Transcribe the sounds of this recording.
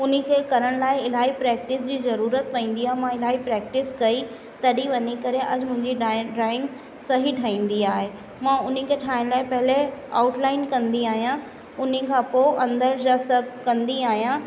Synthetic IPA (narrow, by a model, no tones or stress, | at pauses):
ʊn̤ĕkʰeːkɐɾəɽ̃laːɪɪl̤aːipɾɛːk̚ʈɪs̬d͡ʑiːzɐɾuːɾət̪pɐ̃ĩːn̆d̪iaːɦemãɪlaːɦipɾɛːk̚ʈɪskɐi | t̪ɐɗiʋɐɲikɐɾeʔɐd͡ʑmʊ̃ɦɪ̃ɲd͡ʑiɖɾaːɪ̃ŋɡ | sɐɦiʈʰɐĩːn̆d̪iaːɦe | mãːʊn̤ikʰeːʈʰaːɪɽ̃laːɪpɐɦɪlea̰ːʊʈlaːɪnkɐ̃nd̪iaːɦijã | ʊn̤ikʰãːpoʔɐ̃nd̪əɾd͡ʑaːsɐb̚ʱkɐ̃nd̪iaːɦijã